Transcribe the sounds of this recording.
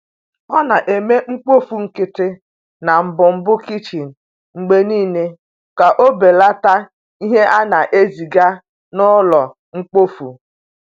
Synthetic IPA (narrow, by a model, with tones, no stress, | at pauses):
ɔ˦na˨ʔe˨me˦ŋ͡m̩˦k͡po˦fu˨ŋ̩˦kɪ˦tɪ˦ | na˨m̩˨bʊ˨m̩˦bʊ˦ki˦t͡ʃi˨n̩˨ | ŋ͡m̩˨ɡ͡be˦niː˦ne˦ | ka˨ʔo˦be˨la˦ta˦ | i˦ɦe˦ʔa˦na˨ʔe˦zi˨ɡa˦ | nʊ˦lɔ˨ | ŋ͡m̩˦k͡po˦fṵ˨